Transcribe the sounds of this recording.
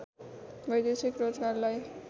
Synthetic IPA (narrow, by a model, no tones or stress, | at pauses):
bʌjd̪esikrod͡zɡarlaj